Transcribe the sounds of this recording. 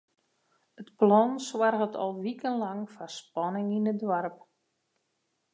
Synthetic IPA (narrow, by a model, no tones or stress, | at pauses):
ətplɔnswarɣətʰɔ̰lˠʋikənlɑŋfaspɔnɪŋinədwarp̚